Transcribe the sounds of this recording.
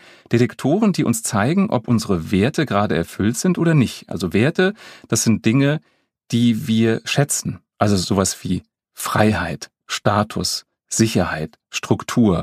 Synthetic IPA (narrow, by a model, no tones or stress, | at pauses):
d̥eʁɛktʰoːʁəndiːʔʊnst͡saɪɡŋ̩ʔɔ̰pʔʊnzəʁəveːɐtəɡəʁaːdəɛ̰ɐfʏltz̥ɪntʔoːdɐnɪçtʔa̰lzoveːɐtəd̥asz̥ɪnt̚d̥ɪŋə | d̥iːviːɐʃɛt͡sn̩ʔalzozoːvasv̥iː | fʁ̥a̰ɪhaɪt | ʃtaːtʰʊ̰s | z̥ɪçɐhaɪt | ʃtʁ̥ʊktʰuːɐ